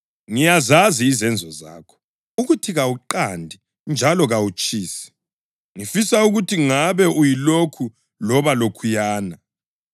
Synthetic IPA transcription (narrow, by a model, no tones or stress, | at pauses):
ŋijazaziːzɛnd͡zʱɔza̰ːkʰɔ̥ | uɣutʰiɣawuǃandʱi | nd͡ʒʱalɔɣawut͡ʃʼiːsi̥ | ŋifisauɣutʰiŋaβɛʔujilokʰu | lɔβalokʰujaːna